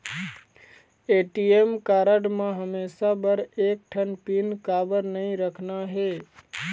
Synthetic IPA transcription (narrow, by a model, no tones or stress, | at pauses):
eʈiemkaːɾəɖmãɦəmesabəɾeːk̚ʈʰənpinkaːbəɾnəĩɾəkʰnaɦe